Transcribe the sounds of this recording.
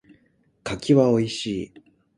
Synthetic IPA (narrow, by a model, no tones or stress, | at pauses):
kakʲiβao̞iɕiː